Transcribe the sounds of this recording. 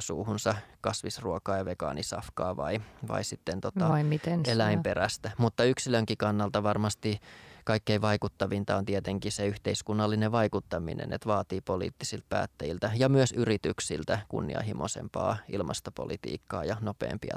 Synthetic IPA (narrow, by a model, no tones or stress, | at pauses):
suːhunsɑkɑsʋisruokɑːjɑʋekɑ̰ːnisɑ̰fkɑːʋɑiʋɑ̰isit̪ːent̪ot̪ɑimit̪enelæimperæst̪æmut̪ːɑyksiløŋkikɑnːɑlt̪ɑʋɑrmɑst̪ikɑikːeiʋɑikut̪ːɑʋint̪ɑont̪iet̪eŋkiseyht̪eiskunːɑlːineʋɑikut̪ːɑmḭnḛnḛt̪ʋɑːt̪iːpolḭːt̪ːisilt̪̚pæ̰ːt̪ːæjilt̪æjɑmyøsyrit̪yksilt̪ækṵnːḭɑ̰ɦimosḛmpɑ̰ːilmɑ̰st̪opo̰lḭt̪ḭːkːɑ̰ːjɑnopḛːmpiɑ̰